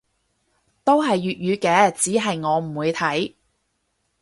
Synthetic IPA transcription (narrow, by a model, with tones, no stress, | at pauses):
t̪o˥wɦɐ˨jːyː˨t̚jyː˨˧kɛː˨˧t͡siː˨˥ɦɐ˨jŋɔː˨˧m̩˨˩wuː˨˧jt̪ʰɐ˨˥j